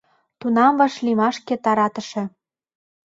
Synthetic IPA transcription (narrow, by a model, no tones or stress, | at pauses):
t̪unɑmvɑʃlimɑʃkĕt̪ɑɾɑt̪ə̆ʃĕ